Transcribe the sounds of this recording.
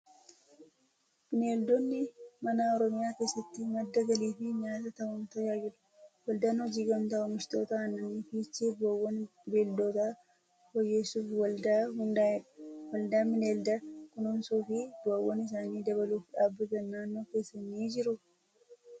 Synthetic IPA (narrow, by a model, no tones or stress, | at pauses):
mɪne̞ːld̪ɔnːɪmɐnaːɔɾɔmɪjaːke̞ːsːɐt̪ːɪmɐd̪ːɐɡɐliːfɪɲaːt̪ɐt̪ɐwʊmt̪ɐjaːd͡ʒɪᶑʊ̥ | wɐld̪aːnɔd͡ʒiːɡɐmt̪ɐʊmɪʃt̪o̞ːt̪ɐɐnːɐniːfɪt͡ʃːebɐwːɔnbeːld̪o̞ːt̪a | bɔjːeːsːuːfwɐld̪aːɦʊnd̪aːɪᶑɐ̥wɐld̪aːmɪne̞ːld̪ɐkʊnʊnsuːfɪbɐwːɔnɪs̬aːniːd̪ɐβɐluːfᶑaːbːɪɡ̪ɐnːaːnːo̞ːke̞ːsːɐnːiːd͡ʒɪɾʊ